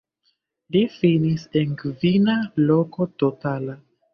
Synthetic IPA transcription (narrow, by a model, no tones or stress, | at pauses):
lifinisenkvinaloko̞totala